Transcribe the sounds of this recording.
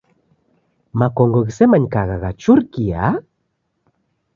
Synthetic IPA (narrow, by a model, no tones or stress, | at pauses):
makoŋɡoɣisemaɲkaɣaɣat͡ʃuɾkia̰